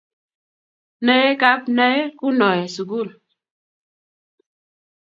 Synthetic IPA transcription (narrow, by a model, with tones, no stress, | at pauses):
nɛ˦ka˦p̚nɛ˦ku˦nɔ˨ɛ˨su˨ku˦˨l